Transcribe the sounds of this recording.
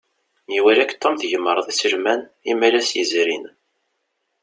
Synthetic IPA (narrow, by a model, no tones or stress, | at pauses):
niwælækːt̪ːomθʝəməɾˤðˤisəlmænimælæsjəzɾin